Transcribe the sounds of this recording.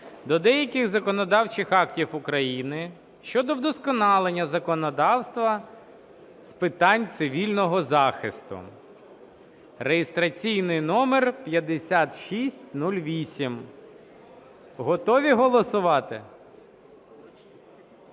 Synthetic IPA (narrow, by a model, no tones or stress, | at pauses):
d̪ɔd̪ɛjɐkʲɪɣzɐkɔnɔd̪ɑwt͡ʃɪxɑktʲiwʊkɾɐjinɪ | ʃt͡ʃɔd̪ɔwd̪ɔskɔnɑlˠenʲːɐzɐkɔnɔd̪ɑwst̪ʋɐ | spɪt̪ɑnʲt̪sɪʋʲilʲnɔɦɔzɑxɪst̪ʊ̰ | rejɪst̪ɾɐt͡sʲijnɪjnɔmerpʲjɐd̪esʲat̪ʃisʲtʲnulʲʋʲisʲim | ɦɔt̪ɔʋʲiɦɔlˠɔsʊʋɑt̪ɪ